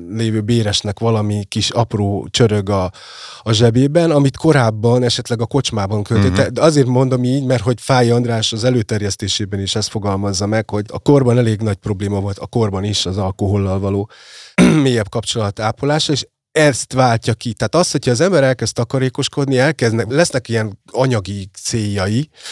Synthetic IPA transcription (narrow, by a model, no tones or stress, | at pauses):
leːvøːbeːɾɛʃnɛkʋɒlɒmikiʃɒproːt͡ʃøɾøɡɒː | ʒɛbeːbɛnɒmit̪ko̞ɾaːbːɒnɛʃɛt̪lɛɡɒko̞t͡ʃmaːbɒŋkølt̪it̪ːɛd̪ɛɒzeːrt̪mo̞nd̪omiːɟmɛrt̪ho̞ɟfaːjiɒnd̪ɾaːʃɒzɛløːt̪ɛrjɛst̪eːʃeːbɛniʃɛst̪fo̞ɡɒlmɒzːɒmɛkho̞ɟɒ̰ko̞rbɒnɛleːɡnɒɟ̚pro̞bleːmɒvo̞lt̪ɒ̰ko̞rbɒniʃɒzɒlko̞ɦo̞lːɒlvɒloː | meːjɛbkɒpt͡ʃo̞lɒt̪aːpolaːʃɒeːʃ | ɛst̪ʋaːlcɒkit̪aaːt̪ɒst̪ho̞cʰɒːzɛmbɛɾɛlkɛst̪ɒkɒɾeːko̞ʃko̞d̪niɛlkɛzd̪nɛlɛsnɛkijɛnɒɲɒɡit̪seːjːɒji